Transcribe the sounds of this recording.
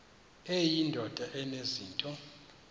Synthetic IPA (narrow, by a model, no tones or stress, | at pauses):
ejindʱɔd̥ʱaʔɛneziːntʼɔ